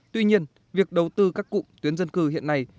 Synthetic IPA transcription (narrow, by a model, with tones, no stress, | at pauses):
t̪wi˧ɲi˧ən | vi˨˩ək̚ɗə˨˩wt̪ɨ˧kaː˦˥kːṵ˧˨t̪wi˨˦ənzə˧nkɨ˧˩hḭ˧˨ənːa˧˩j